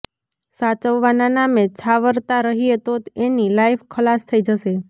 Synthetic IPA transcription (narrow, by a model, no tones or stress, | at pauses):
sat͡ʃəʋːananamet͡ʃʰaʋəɾt̪aɾəɦiet̪ot̪enilajfkʰəlast̪ʰəid͡ʒəʃe